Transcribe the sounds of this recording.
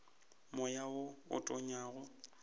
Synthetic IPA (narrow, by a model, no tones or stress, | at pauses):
mʊjaʊʊ̰tʼɔɲaːɣʊ